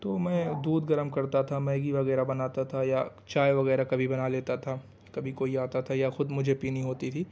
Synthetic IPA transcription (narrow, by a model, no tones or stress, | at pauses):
t̪oːmɛ̃ːd̪uːd̪ɡɐɾəmkɐɾt̪at̪ʰamɛ̃ːɡiʋɐɣɛːɾabɐnaːt̪at̪ʰajaː | t͡ʃaːjʋɐɣɛːɾakɐbʱibɐnaleːt̪at̪ʰa | kɐbʱikoːiaːt̪at̪ʰajaxʊd̪mʊd͡ʒʱepiːnĩɦoːt̪it̪ʰiː